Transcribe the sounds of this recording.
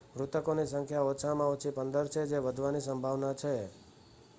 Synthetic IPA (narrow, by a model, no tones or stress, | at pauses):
ʋɾut̪əkonisəŋkʰjaot͡ʃʰamãot͡ʃʰipənd̪əɾt͡ʃʰed͡ʒeʋəd̪ʱʋanisəmbʱaʋnat͡ʃʰe